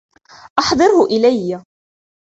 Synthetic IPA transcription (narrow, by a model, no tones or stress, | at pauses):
ʔɑħd̪ˤɨɾhʊʔɪlajːa